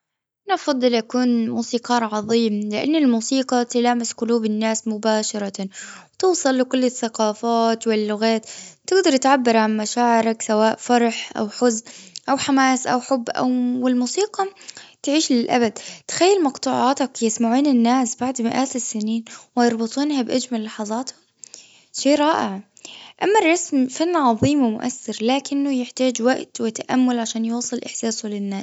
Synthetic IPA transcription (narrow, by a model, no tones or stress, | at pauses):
ʔanʔɑfɑd̪ˤːɨlʔakuːnmuːsiːqɑːɾʕɑðˤiːmlɪʔa̰nːɪlmuːsiːqɑt̪ɪlaːmɪsqʊluːbɪnːaːsmʊbaːʃɑɾˤɑwt̪uːsˤɨlːɪkʊlːɪθːaqɑːfaːt̪wɪlːʊɣaːt̪t̪ːɪɡd̪ɑɾˤt̪ʕabːɪɾˤʕanmaʃaːʕɪɾaksawaːʔfɑɾˤɑħʔa̰wħʊznʔawħamaːsʔa̰wħʊbːʔa̰wwɪlmuːsiːqɑt̪ʕiːʃlɪlʔa̰bad̪t̪ɪ̥xajːalmɑqt̪ˤuːʕɑːt̪akjɪsmaʕuːnɪnːaːsbaʕd̪mɪʔaːt̪ɪsːɪniːnwɪjɑɾˤbɨt̪ˤuːnhabʔad͡ʒmalːɑħɑðˤɑːt̪hʊm | ʃeːʔɾˤɑːʔɪʕ | ʔamːarˤːɑsmfanːʕɑðˤiːmwɪmʊ̰ʔa̰sːɪɾlaːkɪnːʊjɪħt̪aːd͡ʒwaʔt̪wɪt̪aʔamːʊlʕaʃaːnjuːsˤɨlʔɪħsaːsʊlɪnːaːs